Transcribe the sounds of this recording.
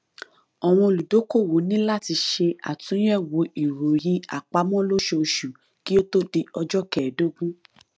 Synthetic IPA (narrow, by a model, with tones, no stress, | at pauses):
ɔ˨w̃ɔ̃˧o˧lu˨do˨˦ko˦˨wo˨˦nĩ˦la˦˨ti˧ʃe˧a̰˨tũ˨˦jɛ˦˨wo˨˦ʔi˨ɾo˨j̃ĩ˧a˨k͡pa˧˦mɔ̃˦lo˦ʃe˧o˧ʃu˨ | ki˦o˦to˦de˧ɔ˧d͡ʒɔ˦kɛ˨do˦ɡũ˦